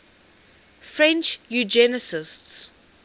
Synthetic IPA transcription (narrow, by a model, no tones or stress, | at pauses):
fɹɛ̃nt͡ʃjud͡ʒɛnəsɪsts